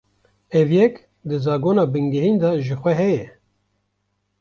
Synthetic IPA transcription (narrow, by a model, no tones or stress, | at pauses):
ɛvjɛk | d̪ɨzɑːɡoːnɑːbɨŋɡɨhind̪ɑʒɨxʷɛɦɛjɛ